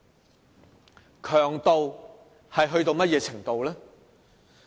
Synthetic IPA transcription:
kʰœː˨˩ŋt̪o˨w | hɐ˨jɦɵ˧ɥt̪o˧wmɐ˥t̚jɛː˧t͡sʰɪ˨˩ŋt̪o˨wlɛː˥

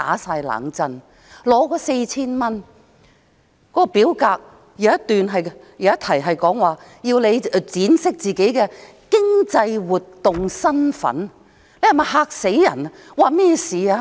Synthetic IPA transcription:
a̰ː˨˥saː˧jla̰ː˨˥ŋt͡sɐ˧n | lɔː˨˥kɔː˨˥se˧jt͡sʰiː˥nmɐ˥n | kɔ˨˦˥kɔː˧piː˨˥wkaː˧k̚ | jɐ˨˧wɐ˥t̪ːyː˨nɦɐ˨j | jɐ˨˧wjɐ˥t̪ʰɐ˨˩jɦɐ˨jkɔː˨˥ŋwaː˨jiː˧wle˨˧jt͡siː˨˥nsɪ˥k̚t͡siː˨ke˨˥jkɛː˧ | kɪ˥ŋt͡sɐ˧jwuː˨t̪ːʊ˨˩ŋsɐ˥nfɐ̰˨˥n | le˨˧jhɐ˨˩mɐ˨˩ɦaː˧k̚se˨˥jjɐ̰˨˩n | waː˨˧mɛː˥siː˨aː˧

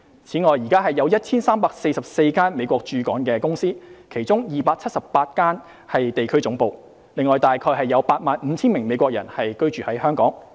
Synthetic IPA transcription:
t͡sʰiː˨˥ŋɔː˨jiː˨˩kaː˥ɦɐ˨jːɐ˨˧wjɐ˥t̚t͡sʰiː˥nsaː˥mpaː˧k̚se˧jsɐ˨p̚se˧jkaː˥nme˨˧jkʷɔː˧k̚t͡ʃyː˨˧kɔː˨˥ŋnkɛː˧kʊ˥ŋsiː˥kʰe˨˩jt͡sʊ˥ŋjiː˨˩paː˧k̚t͡sʰɐ˥t̚sɐ˨ppːaː˧t̚kaː˥n | hɐ˨jt̪e˨jkʰɵ˥t͡sʊ˨˥ŋpo˨˧w | lɪ˨ŋːɔː˨˩jt̪aː˨jkʰɔː˧jɦɐ˨jːɐ˨˧wpaː˧t̚maː˨nm̩ː˨˧˦t͡sʰiː˥nmɪ˨˩ŋme˨˧jkʷɔː˧k̚jɐ̰˨˩nhɐ˨jkɵ˥ɥt͡ʃyː˨hɐ˨˥jhœː˥ŋkɔː˨˥ŋ

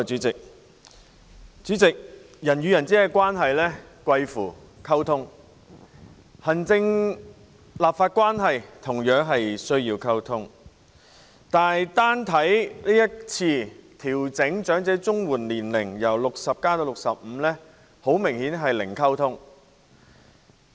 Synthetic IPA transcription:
t͡ʃy˨˥t͡sɪ˨k̚ | t͡syː˨˥t͡sɪ˨k̚ | jɐ˨˩njyː˨jɐ˨˩nt͡siː˨˥kɛ˧kwaː˥nɦɐ˨jlɛː˥kwɐ˧jfuː˨˩ | kʰɐ˥wt̪ʰʊ˥ŋ | hɐ˨˩nt͡sɪ˧ŋ | laː˨p̚faː˧t̚kʷwaː˥nɦɐ˨jt̪ʰʊ˨˩ŋjœː˨˥ŋɦɐ˨jsɵ˥ɥjiː˧wkʰɐ˥wt̪ʰʊ˥ŋ | t̪aː˨˩jt̪aː˥nt̪ʰɐ˨˥jliː˥jɐ˥t̚t͡sʰiː˧t̪ʰiː˨˩wt͡sɪ˨˥ŋt͡ʃœː˨˥ŋt͡sɛː˨˥t͡sʊ˥ŋwuː˨˩nliː˨˩nlɪ˨˩ŋjɐ˨˩wlʊ˨k̚sɐ˨p̚kaː˥t̪o˧wlʊ˨ksɐ˨p̚m̩˨˧lɛː˥ | ho˨˥wmɪ˨˩ŋhiː˨˥nɦɐ˨jlɪ˨˩ŋkʰɐ˥wt̪ʰʊ˥ŋ

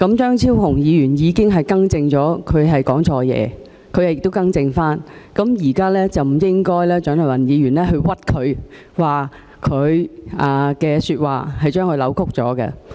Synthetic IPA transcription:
kɐ˨˧˥mt͡ʃœː˥ŋt͡sʰiː˥whʊ˨˩ŋjiː˨˧ɥyː˨˩njiː˨˧kɪ˥ŋɦɐ˨jkɐ˥ŋt͡sɪ˧ŋt͡sɔː˨˥kʰɵ˨˧ɥɦɐ˨jkɔː˨˥ŋt͡sʰɔː˧jɛ̰ː˨˧ | kʰɵ˨˧ɥjɐ˨jɪ˨k̚t̪o˥wkɐ˥ŋt͡sɪ˧ŋfaː˥nkɐ˨˥mjiː˨˩kaː˥lɛː˥t͡sɐ˨wm̩˨˩jɪ˥ŋkɔː˥jlɛː˥t͡ʃœː˨˥ŋnʰ˨˩wɐ˨˩njiː˨˧ɥyː˨˩nlɛː˥ɦɵ˧ɥwɐ˥t̚kʰɵ˨˧ɥ | waː˨ | kʰɵ˨˧ɥʔaː˨˩kɛː˧syː˧t̚wa̰ː˨˩hɐ˨jt͡ʃœː˥ŋʰɵ˨˧lɐ˨˥wkʰʊ˥k̚t͡sɔ̰ː˨˥kɛ̰˧

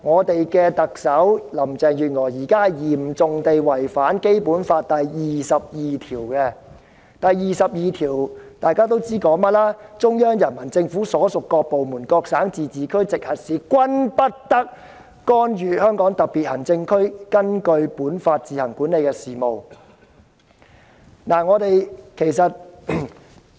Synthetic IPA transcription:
ŋɔː˨˧t̪e˨jkɛː˧t̪ɐ˨k̚sɐ˨˥wlɐ˨˩mt͡sɛː˨ŋjyː˨t̚ŋɔː˨˩jjiː˨˩kaː˥ɐ˨jjiː˨˩m̩˨t͡sʊ˨ŋt̪e˨jwɐ˨˩jfaː˨˥nke˥jpuː˨˥nfaː˧t̚t̪ɐ˨jːiː˨sɐ˨p̚jiː˨˩t̪ʰiː˨˩wkɛː˧ | t̪ɐ˨jːiː˨sɐ˨p̚jiː˨t̪ʰiː˨˩wt̪aː˨˧jkaː˥t̪o˥wt͡siː˥kɔː˨˥ŋmɐ˥t̚laː˥t͡sʊ˥ŋjœː˥ŋjɐ˨˩nmɐ˨˩nt͡sɪ˧ŋfu˨˥sɔː˨˥sʊ˨kːɔː˧k̚po˨wmuː˨˩nkɔː˧k̚saː˨˥ŋt͡siː˨˩t͡siː˨kʰɵ˥ɥt͡sɪ˨k̚hɐ˨t̚siː˨˧kʷɐ˥npɐ˥t̚t̪ɐ˥k̚ː | ɔː˥nɥyː˨hœː˥ŋkɔː˨˥ŋt̪ɐ˨piː˨˩t̚hɐ˨˩ŋt͡sɪ˧ŋkʰɵ˥ɥkɐ˥nkɵ˧ɥpuː˨˥nfaː˧t̚t͡siː˨hɐ˨˩ŋkuː˨˥nle˨˧jkɛː˧siː˨mo˨w | naː˨˩ŋɔː˨˧t̪e˨jkʰe˨˩jsɐ˨t̚

